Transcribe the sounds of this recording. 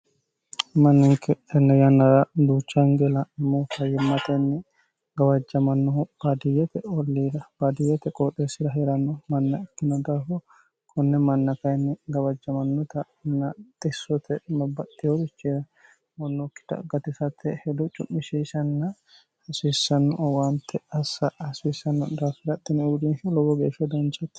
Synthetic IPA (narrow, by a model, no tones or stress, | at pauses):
mɐnːɪŋkɛɛnːɐjɐnːɐɾɐd̪uːt͡ʃːɐŋɡɛlɐmːɔfɐjɪmːɐt̪ɐnːɪ | ɡɐwɐd͡ʒːɐmɐnːɔb̥ad̪ɪjɛt̪ɛɔlːiːd̪ɐb̥ad̪ɪjɛt̪ɛkʼɔt̪ʼesɪɾɐɦɛɾɐnːɔmɐnːɐɪkːɪnɔd̪aːfɔ | kʰɔnːɛmɐnːɐkɐjnːɪɡɐwɐd͡ʒːɐmɐnːɔt̪ɐ | nːɐt̪ʼɪsːɔt̪ʰɛmɐbːɐt̪ːɪjɔɾɪt͡ʃːiːɾɐ | wɔnːɔkːɪ̥t̪ɐ̰ɡɐt̪ɪsɐt̪ʰːɛhɛd̪ɔt͡ʃʼʊʔːɪʃiːsɐnːɐ | hɐsiːsːɐnːɔwant̪ʰːɛɐsːɐhɐsiːsɐnːɔd̪aːfɪɾɐt̪ːɪnɛd̪inʃɛlɔwɔɡeːʃɐd̪ɐnt͡ʃɐt̪ː